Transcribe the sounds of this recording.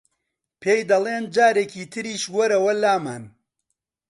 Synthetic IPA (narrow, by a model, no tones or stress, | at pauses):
pʰeːjd̪ɐlˠeːnd͡ʒaːɾeciːt̪ʰɨɾiːʃwɐɾɐwɐlaːmaːn